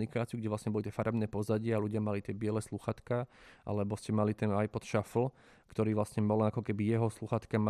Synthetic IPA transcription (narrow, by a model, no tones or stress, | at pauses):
nikaːt͡siuɡɟɛʋlasɲɛbɔlit̪ɛfaɾɛbnɛːpɔzaɟɪaaluɟɪamalit̪ɪɛbɪɛlɛsluxat̪kaʔa̰lɛbɔscɛmalit̪ɛnajpɔt̪ʃafl̩ | kt̪ɔɾiːʋlasɲɛbɔlakɔkɛbijɛɦɔsluxat̪kama